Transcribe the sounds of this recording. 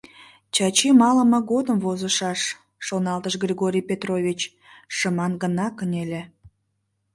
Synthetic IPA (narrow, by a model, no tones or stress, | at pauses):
t͡ɕɑt͡ɕimɑləməɡod̪əmvozəʃɑʃː | onɑlt̪əʃɡrʲiɣoɾʲijpʲet̪rovʲit͡ɕ | ʃəmɑnɡənɑkənʲelʲe